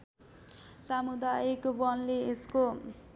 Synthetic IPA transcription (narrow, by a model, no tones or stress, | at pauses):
samud̪aekbʌnleesko